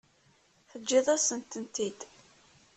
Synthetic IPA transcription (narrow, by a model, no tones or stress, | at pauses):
θəd͡ʒːiðˤasənt̪ənt̪id̪